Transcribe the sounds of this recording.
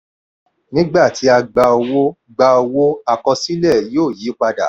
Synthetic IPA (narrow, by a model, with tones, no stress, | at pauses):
nĩ˦ɡ͡ba˦˨ti˨˧˦a˧ɡ͡ba˧o˧wo˦ | ɡ͡ba˧o˧wo˦a˧kɔ˧si˦lɛ˦˨joː˦˨ji˨˦k͡pa˧da̰˨